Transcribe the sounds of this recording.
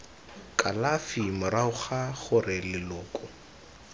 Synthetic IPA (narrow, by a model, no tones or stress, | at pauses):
kʼalafimʊɾaʊχaχʊrɪlɪlʊːkʼʊ